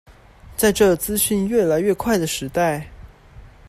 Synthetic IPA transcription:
t͡sa˥˧ɪʈ͡ʂɤ˥˩t͡sɹ̩˥ɕy˥˧nɥɛ˥˩la˧˥ɪɥɛ˥˧kʰwa˥˩ɪd̪ə˩ʂɻ̩˧˥t̪a˥˩ɪ

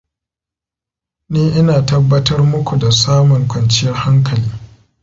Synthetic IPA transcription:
niː˦ʔɪ˦naː˨tɐ˦bːɐ˦tɐ˦rmʊ˦kʷu˨da˨saː˦mʊ˨ŋkʷɐ˨nt͡ʃɪ˦jɐ˦rha˦ŋkʰɐ˨liː˦

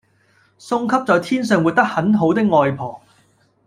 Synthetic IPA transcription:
sʊ˧ŋkʰɐ˥p̚t͡sɔː˨jt̪ʰiː˥nsœː˨ŋwuː˨t̚t̪ɐ˥k̚hɐ˨˥nɦo˨˥wt̪ɪ˥k̚ŋɔː˨˧jpʰɔː˨˩ŋ

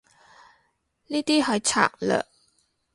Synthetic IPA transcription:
niː˥t̪iː˥ɦa˨˧˦jt͡ɕʰa̰˨˩k̚lə̰˨

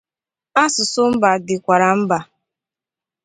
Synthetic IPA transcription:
a˦sʊ˨sʊ˦m̩˦ba˨dɪ˨kʷa˨ɾa˨m̩˦ba˨

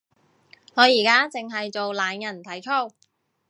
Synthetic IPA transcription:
ŋɔː˨˧jiː˨˩kaː˥t͡sɪ˨ŋɦɐ˨jt͡so˨wlaː˨˧njɐ˨˩nt̪ʰɐ˨˥jt͡ʃʰo˥˩w

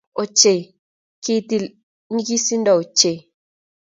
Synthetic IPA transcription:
o˨t͡ʃe˨ | ki˦˨ti˦l | ni˦ɡi˦si˦n̩˦dɔ˨o˨t͡ʃe˨

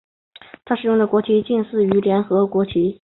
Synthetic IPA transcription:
t̪ʰa˥ʂɻ̩˧˥jʊ˥˩ŋd̪ə˩kwɔ˧˥t͡ɕʰi˧˥t͡ɕi˥˧nsɹ̩˥˩y˧˥ljɛ˧˥nxɤ˧˥kwɔ˧˥t͡ɕʰi˧˥

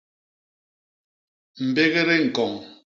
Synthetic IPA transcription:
m̩˨be˦ɣe˦ɾe˦ŋ̩˨kɔ˨ŋ

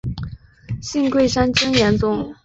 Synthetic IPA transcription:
ɕi˥˧ŋkwe˥˩ɪʂa˥nt͡ɕə˥ŋjɛ˧˥nt͡sʊ˥˩ŋ

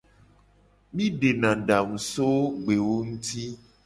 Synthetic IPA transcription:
mĩ˦ɖe˨nã˨ɖa˨ŋũ˨so˦ɡ͡be˨wo˦ŋũ˦t̪i˦

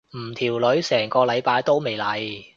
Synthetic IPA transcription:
m̩ː˨˩t̪ʰiː˨˩wlɵ˨˥ɥsɛː˨˩ŋkɔː˧lɐ˨˧jpaː˧jt̪o˥wme˨˩jlɐ˨˧j

